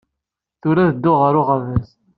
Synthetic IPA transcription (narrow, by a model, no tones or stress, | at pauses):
θʊɾæðəd̪ːʊʁəɾʊʁəvæs